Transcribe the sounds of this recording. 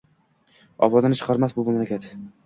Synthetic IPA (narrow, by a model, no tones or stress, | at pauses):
ɒ̰vɒd̪anɪt͡ʃʰɨ̥qʰɑɾmasbʊmamlakʲʰat̪